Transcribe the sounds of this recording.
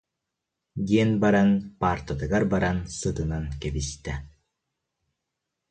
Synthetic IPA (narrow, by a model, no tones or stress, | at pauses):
d̪iɛnbaɾanpaːɾt̪ad̪ɯɡaɾbaɾansɯt̪ɯnankɛbist̪ɛ